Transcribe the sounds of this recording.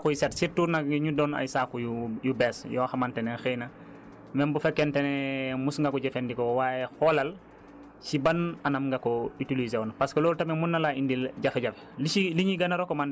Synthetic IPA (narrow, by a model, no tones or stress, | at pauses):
kusetsiɾtuɾnaiɲudɔna̰jsakujujubɛːsjɔxamantɛnexejna | mɛmbufekːentɛnɛmusŋɡakɔɟefendikowajexolal | sibananamŋɡakoitilizeɔnapaskoloːltamemunːalaindilɟafeɟaf | liiliɲiɡanaɾokoman